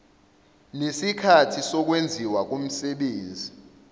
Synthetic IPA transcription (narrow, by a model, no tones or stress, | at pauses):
nesikʰatʰisɔk̬wend͡zʱiwak̬um̩sɛɓeːnd͡zʱi